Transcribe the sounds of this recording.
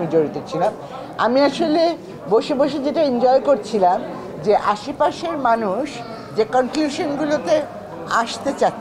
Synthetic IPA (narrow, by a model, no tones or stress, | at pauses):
mid͡ʑoɾit̪ot͡ɕʰilam | amiaʃole | boʃeboʃ̬ed͡ʑeʈaind͡ʑɔekoɾt͡ɕʰilam | d͡ʑeʔaʃepaʃeɾmanuʃ | d͡ʑekɔŋkluʃonɡulot̪e | aʃt̪et͡ɕa